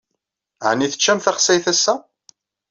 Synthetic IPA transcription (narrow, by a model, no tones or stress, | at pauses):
ʕnːiθə̥t͡ʃːæmθaχsæjθæsːæ